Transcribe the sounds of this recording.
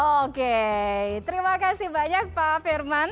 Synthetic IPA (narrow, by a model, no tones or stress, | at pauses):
oket̪əɾimakasɪhbaɲak̚pafirman